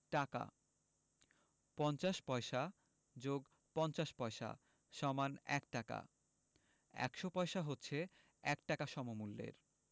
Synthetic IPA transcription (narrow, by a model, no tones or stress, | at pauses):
ʈaka̰ | pɔnt͡ɕaʃpɔeʃa | d͡ʑoɡ | pɔnt͡ɕaʃpɔeʃa̰ | ʃɔmanɛ̰kʈaka̰ | ɛ̰kʃopɔeʃaɦotːɕʰe | ɛk̚ʈakaʃɔmomulːḛɾ